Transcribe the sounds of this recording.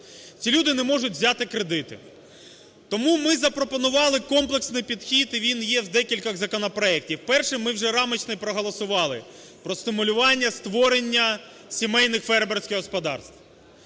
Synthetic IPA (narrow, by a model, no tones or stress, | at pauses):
t͡sʲilʲud̪ɪnɛmɔʐʊtʲʋzʲat̪ɪkɾed̪ɪt̪ɪ̰ | t̪ɔmumɪzɐpɾɔpɔnʊʋɑlˠɪkɔmplˠeksnɪjpʲid̪xʲit̪iʋʲinjɛwd̪ɛkʲilʲkɐɣzɐkɔnɔpɾɔɛk̚tʲiwpɛrʃɪmmɪwʒɛɾɑmɪt͡ʃnɪjpɾɔɦɔlˠɔsʊʋɑlˠɪ | pɾɔst̪ɪmʊlʲʊʋɑnʲːɐst̪ʋɔɾenʲːɐ | sʲimɛjnɪxfɛrbersʲkʲɪɣɦɔspɔd̪ɑ̰rst̪